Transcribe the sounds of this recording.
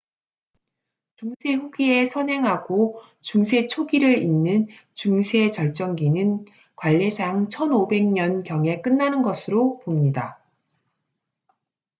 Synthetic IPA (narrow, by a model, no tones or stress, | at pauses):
t͡ɕuŋsʰe̞ɸuɡie̞sʰʌnɦe̞ŋɦaɡo | t͡ɕuŋsʰe̞t͡ɕʰoɡiɾɯɾinːɯn | t͡ɕuŋsʰe̞t͡ɕʌɭt͡ɕ͈ʌŋɡinɯn | kwaʎːesʰaŋt͡ɕʰʌnobe̞ŋɲʌnkjʌŋe̞k͈ɯnːanɯnɡʌsʰɯɾopomɲida